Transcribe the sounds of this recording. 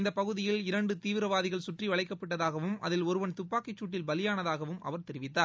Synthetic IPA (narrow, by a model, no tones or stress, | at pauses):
ɪnd̪ɐpːɐɣɯðɪjɪlɪɾɐɳɖɯt̪iːʋɪɾɐʋaːðɪɣɐɭsʊʈriʋɐɭɐɪkːɐpːɐʈːɐðaːɣɐʋɯmɐ̰ðɪlɔɾɯʋɐnt̪ʊpːaːkɪt͡ʃːuːʈːɪlbɐlɪjaːnɐðaːɣɐʋɯmɐ̰ʋɐɾt̪ɛɾɪʋɪt̪ːaːɾ